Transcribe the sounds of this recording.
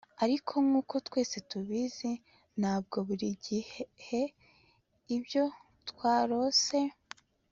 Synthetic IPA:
aɾikʰo̞ŋŋuːko̞twe̞ːse̞tuβize | n̥haːb̚ɡo̞βuɾiɟihhe̞ | ibjo̞ | twaːɾo̞se̞

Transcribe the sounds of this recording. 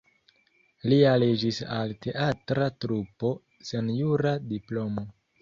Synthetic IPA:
lialed͡ʒisalte̞ʔatɾatɾupo̞ | senjuɾadiplo̞mo̞

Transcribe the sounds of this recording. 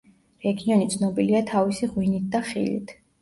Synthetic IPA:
ɾɛɡiɔnit̪sʰnɔbiliat̪ʰavisiʁwinit̪̚ʰd̪aχḭlḭt̪ʰ

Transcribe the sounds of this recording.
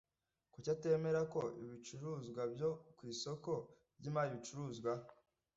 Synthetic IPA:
kucate̞ːme̞ɾako̞ḭβit͡ʃuɾuːzɡwabjo̞kwiːso̞ko̞ | bɟimajiβit͡ʃuɾuːzɡwa

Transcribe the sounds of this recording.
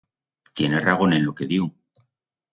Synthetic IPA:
t̪je̞neraɣ̞o̞nenlo̞ke̞ðju

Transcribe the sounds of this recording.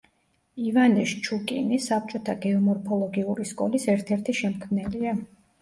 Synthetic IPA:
ivanɛʃt͡ʃʰukʼinisap̚t͡ʃʼɔt̪ʰaɡɛɔmɔɾpʰɔlˠɔɡiuɾiskʼɔlisɛɾt̪ʰɛɾt̪ʰiʃɛmkʰmnɛlia

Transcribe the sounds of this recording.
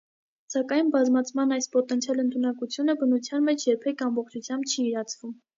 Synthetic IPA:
sɑkɑjnbɑzmɑt͡sʰmɑnɑjspɔt̪ɛnt͡sʰjɑlənt̪ʰunɑkut͡sʰjunəbənut͡sʰjɑnmɛt͡ʃʰjɛɾpʰɛkʰɑmbɔχt͡ʃʰut͡sʰjɑmbt͡ʃʰiːɾɑt͡sʰvum

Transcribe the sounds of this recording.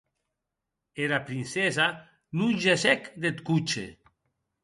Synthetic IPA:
eɾapɾinsesa | nunʲʒesɛkd̪et̪kut͡ʃḛ

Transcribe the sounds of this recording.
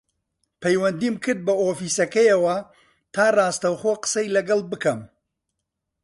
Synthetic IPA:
pʰɐjwɐnd̪iːmkʰɨɾd̪̚bɐoːfiːsɐkɐjɐwɐ | t̪ʰaːraːst̪ɐwχoqə̥sɐjlɐɡɐlˠbɨkɐm

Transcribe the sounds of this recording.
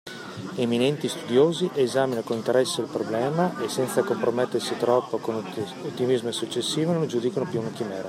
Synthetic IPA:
eminɛnt̪ist̪ud̪joːziʔezaːminakonint̪eɾɛsːeilpɾoblɛːmaʔesːɛnt̪sakompɾomet̪ːersit̪ɾɔpːokon | ot̪ːimizmesut͡ʃːesːiːvonõnld͡ʒud̪ikonopjuunak̟imɛːɾa

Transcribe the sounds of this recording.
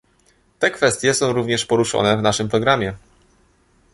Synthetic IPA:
t̪ɛkfɛst̪ʲjɛsɔ̃w̃ɾuvɲɛʂpɔɾuʂɔ̰nɛvnaʂɘmpɾɔɡɾamʲjɛ

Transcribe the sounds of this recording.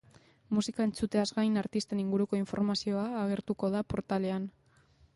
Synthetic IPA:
musikae̞nt͡sut̪e̞azɡajnaɾt̪ist̪eniŋɡuɾuko̞iɱfo̞̰ɾmasio̞aːɣ̞e̞ɾt̪uko̞ð̞apo̞ɾt̪ale̞an

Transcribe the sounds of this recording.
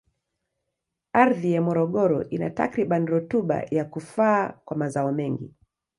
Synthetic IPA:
aɾðijamɔɾɔɠɔɾɔ̰ʔina̰ta̰kɾiɓaniɾutuɓa̰jakufaːkwamazaɔmɛŋɡḭ

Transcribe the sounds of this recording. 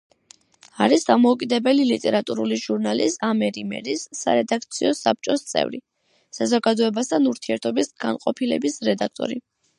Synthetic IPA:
aɾisd̪amɔukʼid̪ɛbɛlilit̪ʼɛɾat̪ʼuɾuliʒuɾnalisamɛɾimɛ̰ɾisːa̰ɾɛd̪ak̚ʰt̪sʰiɔsap̚t͡ʃʼɔst̪sʼɛ̰vɾi | sazɔɡad̪ɔɛbast̪ʰanuɾt̪ʰiɛɾt̪ʰɔbisɡ̥anqʼɔpʰilɛbisɾɛd̪ak̚ʰt̪ʼɔ̰ɾi

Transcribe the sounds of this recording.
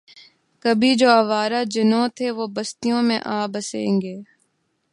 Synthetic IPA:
kɐbʱid͡ʒoːɐʋaːɾad͡ʒɪnõt̪ʰeʋoːbɐst̪ijõmḛ̃ʔaːbɐsḛ̃ːŋɡeː

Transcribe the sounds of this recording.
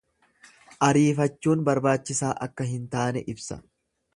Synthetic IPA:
ʔɐɾiːfɐt͡ʃːuːnbɐɾbaːt͡ʃːɪsaːʔɐkːɐɦɪnt̪aːnɛʔɪbsɐ̰

